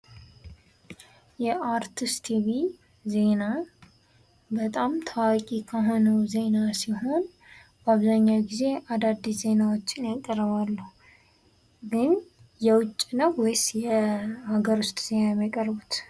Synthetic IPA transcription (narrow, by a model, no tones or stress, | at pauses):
jɛʔaɾt̪ʰɨst̪ʰiβi | ze̞na | bət̪ʼamt̪ʰawakʼikʰaɦo̞nəwze̞nasiɦo̞n | bəaβzaɲːawɡize̞ʔad̪ad̪ːize̞nawot͡ʃːɪnjakʼːərəβalːuh | ɡɨn | jɛwʊt͡ʃʼːinəwɔjsjɛhaɡəɾʊst̪ʼz̥e̞najmjakʼərbut̪